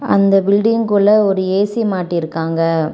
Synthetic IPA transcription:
ɐ̰nd̪ɐbɪlɖɪŋkʊɭɐɔɾɯeːsimaːʈːɪɪɾɯkːaːŋɡɐ

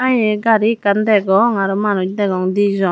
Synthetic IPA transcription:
ajɛɡaɾikandɛɡɔŋaɾɔmanod͡ʒdɛɡɔŋdizɔ

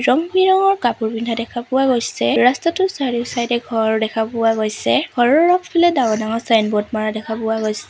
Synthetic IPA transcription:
ɹɔŋbiɹɔŋɔɹkapuɹbindʱadɛkʰapʊwaɡojsɛɹastatʊsaɹiʊsajdɛɡʱɔɹdɛkʰapʊwaɡojsɛɡʱɔɹɔɹːɔkʰpʰilɛdawɔnaŋɔsajnbɔt̚maɹadɛkʰapʊwaɡojsɛ

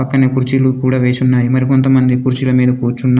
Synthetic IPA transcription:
ɐkːɐneːkuɾt͡ʃilukuːɽaːʋe̞ːsunːaːjimɐɾiko̞nt̪ɐmɐnd̪ikuɾt͡ʃilɐmiːd̪ɐkuːɾt͡ʃunːa

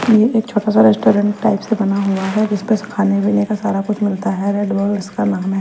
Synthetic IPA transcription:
jeʔeːkt͡ʃʰoːʈas̬aɾɛːsʈoːɾə̃ɳʈːaːɪpsebɐnaɦuaɦɛd͡ʒɪspeskʰaːnebiːnekasaːɾakʊt͡ʃʰmɪlt̪aɦɛɾeːɖboːlɪskalãːmɦɛ

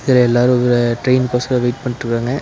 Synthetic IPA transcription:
ɪðɪlɐɛlːaːɾɯ̃ɔʋɐɾɐʈɾeɪnpoːsɐlɐʋɐɪʈ̚pɐɳːɪʈ̪ɾɯkːɾaːŋɡɐ

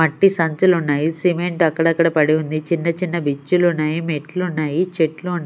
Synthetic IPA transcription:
ɐʈːisɐɲt͡ʃɐlunːaːjisimeɳʈɐkːɐɽɐkːɐɽɐpɐɽiund̪it͡ʃinːɐt͡ʃinːɐbit͡ʃːulunːaːjimeʈlunːaːjit͡ʃeʈluːnːaː

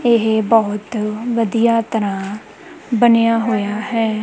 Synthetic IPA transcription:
ɪɦbɔːʊt̪ʋəd̪ijaːt̪əɾãː | bənejaːɦoːjaːɦɛː

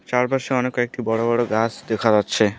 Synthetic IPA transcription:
t͡ɕaɾbaɾʃeɔnekːɔek̚ʈibɔɽobɔɽoɡat͡ɕʰd̪ekʰad͡ʑatːɕʰe

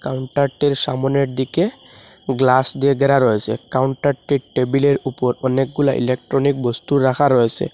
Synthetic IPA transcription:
kawɳʈaɾʈːeɾʃa̰mɔneɾd̪ike | ɡlasd̪ieɡɛɾaɾɔesʰḛkawɳʈaɾʈːiʈebileɾupɔɾɔnek̚ɡulaʔḭlek̚ʈɾɔnik̚bɔst̪uɾːakʰaɾɔesʰḛ

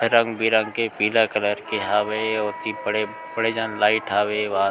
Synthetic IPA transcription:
ɾə̃ŋɡbʱiɾə̃ŋɡkepiːlakələɾkeɦaːʋeɔːɾt̪ibəɽe | bəɽed͡ʒãːnlaːɪʈʰaːweʋã

